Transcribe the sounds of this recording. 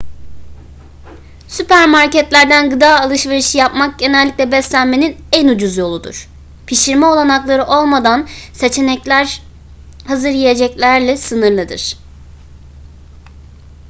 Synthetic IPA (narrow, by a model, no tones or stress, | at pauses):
sypʰæɾmaɾcɛt̪lʲæɾd̪ænɡɯd̪aːalˠɯʃve̞ɾiʃɯjapmak̚ɟe̞nɛlʲːiclʲɛbɛslʲænme̞ninænud͡ʒuzjo̞lˠud̪ṵɾ̥ | pʰiʃiɾmɛo̞lˠanaklˠaɾɯʔo̞lˠmad̪anse̞t͡ʃʰe̞nɛclʲæɾ | hazɯɾjije̞d͡ʒɛclʲæɾlʲɛsɯnɯɾlˠɯd̪ɯ̰ɾ̥